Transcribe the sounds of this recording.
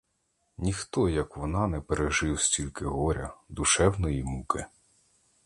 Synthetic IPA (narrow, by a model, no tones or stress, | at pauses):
nʲixt̪ɔjɐkʋɔnɑnɛpeɾeʒɪwsʲtʲilʲkɪɦɔɾʲɐd̪uʃɛwnɔjimukɪ